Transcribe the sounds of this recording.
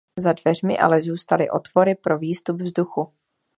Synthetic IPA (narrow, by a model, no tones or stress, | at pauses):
zadvɛr̝mɪ̰ʔa̰lɛzuːst̪alɪʔo̞̰t̪vo̞ɾɪpɾo̞viːst̪ubvzduxu